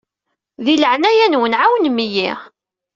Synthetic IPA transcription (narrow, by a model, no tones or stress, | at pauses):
ðiləʕnæjænwənʕawnmiji